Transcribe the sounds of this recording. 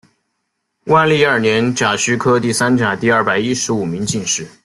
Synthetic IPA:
wa˥˧li˥˧ə˞˥˩njɛ˧˥nt͡ɕja˨˩ɕy˥kʰɤ˥t̪i˥˩sa˥nt͡ɕja˨˩t̪i˥˧ɐ˞˥˩pa˨˩ɪi˥ʂɻ̩˧˥u˨˩mi˧˥ŋt͡ɕi˥˧ŋʂɻ̩˥˩

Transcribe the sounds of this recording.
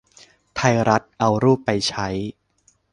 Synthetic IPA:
t̪ʰa˧jɾa˦˥t̪̚ʔa˧wɾuː˥˩pːa˧jt͡ɕʰa˦˥j

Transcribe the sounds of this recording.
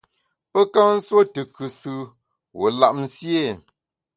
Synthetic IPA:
pə˦ka˦n̩˦swo˦tɨ˨kɨ˨sɨ˦ | wo̰˨la˨ʔm̩˨sje˦˨

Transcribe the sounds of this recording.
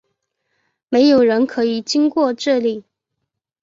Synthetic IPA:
me˧˥ɪjo˨˩ʊɻə˧˥nkʰɤ˧˥i˨˩t͡ɕi˥ŋkwɔ˥˧ʈ͡ʂɤ˥˧li˨˩

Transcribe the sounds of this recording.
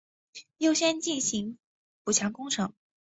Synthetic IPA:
jo˥˧ʊɕjɛ˥nt͡ɕi˥˩nɕi˧˥ŋ | pu˨˩t͡ɕʰjɑ˧˥ŋkʊ˥ŋʈ͡ʂʰɤ˧˥ŋ

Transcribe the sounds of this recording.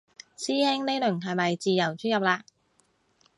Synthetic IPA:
siː˥hɛː˥ŋne˥jlɵ˨˩ŋɦɐ˨jmɐ˨jt͡siː˨jɐ˨˩wt͡ʃʰyː˥njɐ˨p̚laː˧k

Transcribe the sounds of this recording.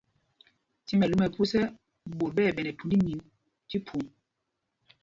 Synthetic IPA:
ti˦mɛ˨lu˦mɛ˨pu˦sɛ˦ | bo˨ɾ̚ɓɛ˦˨ɓɛ˨nɛ˨tu˨ndi˦ɲi˨n | ti˦pʰu˨ŋ

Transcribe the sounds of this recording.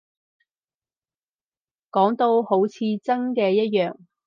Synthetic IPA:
kɔː˨˥ŋt̪o˧who˨˥wt͡sʰiː˧t͡sɐ˥nkɛː˧jɐ˥t̚jœː˨ŋ

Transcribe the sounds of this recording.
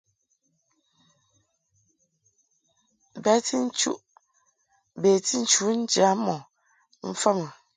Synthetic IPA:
bɛ˦ti˦n̩˦t͡ʃṵ˦ʔ | be˨ti˦n̩˦t͡ʃu˨˦n̩˦d͡ʒja˨˦mɔ˨ | m̩˦fa˦mə˨

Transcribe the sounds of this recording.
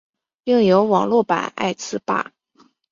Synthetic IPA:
pi˥˩ŋjo˧˥ʊwɑ˨˩ŋlwɔ˥˩pa̰˨˩na̰˥˧ɪt͡sʰɹ̩˥˧pa̰˥˩

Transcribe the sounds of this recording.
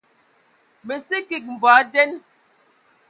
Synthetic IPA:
me˨si˦ki˨k̚m̩˨vaː˨˦dɛ˦n

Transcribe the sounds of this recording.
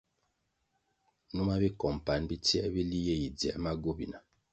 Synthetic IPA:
nu˦ma˦βi˦kɔ˨m˨pa˨n˦bi˦ti˦e˦βi˦li˦je˦ji˨d͡zi˨a˦ma˦ɡo˦bḭ˨na˨

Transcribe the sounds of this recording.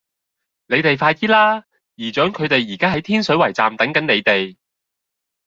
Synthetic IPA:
ne˨˧jt̪e˨jfaː˧jt̪iː˥laː˥ | jiː˨˩t͡ʃœː˨˥ŋkʰɵ˨˧ɥt̪e˨jjiː˨˩kaː˥ɦɐ˨˥jt̪ʰiː˥nsɵ˨˥ɥwɐ˨˩jt͡sa̰ː˨mt̪ɐ˨˥ŋkɐ˨˥ne˨˧jt̪e˨j

